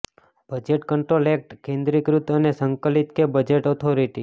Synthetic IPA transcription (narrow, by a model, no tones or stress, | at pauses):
b̥əd͡ʒeʈkəɳʈɾolek̚ʈkẽnd̪ɾikɾut̪ənesəŋkəlit̪kebəd͡ʒeʈɔt̪ʰoɾiʈi